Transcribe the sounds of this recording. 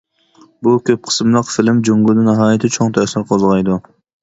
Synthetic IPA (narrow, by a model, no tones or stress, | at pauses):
bukʲʰøp̚qʰə̥smlˠəqfɪlɪmd͡ʒoŋɡʲʊd̪ɨnɪɦɑːjɪt̪ʰɪt͡ʃʰoŋt̪ʰæsɪɾqʰozʁɑjd̪u